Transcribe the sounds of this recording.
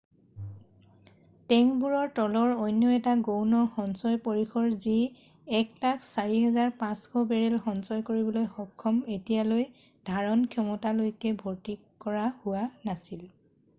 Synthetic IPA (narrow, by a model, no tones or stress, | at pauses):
tɛŋbuɹɔɹtɔlɔɹojnːjɔɛtaɡownɔxɔnsɔjpoɹixʰɔɹzi | ɛktaksaɹiɦɛzaɹpãskʰɔbɛɹɛlxɔnsɔjkoɹibɔlojxɔkʰːɔmetijaloj | d̥ʱaɹɔnkʰjɔmɔtalojkɛbʱoɹti | kɔɹahʊwanasil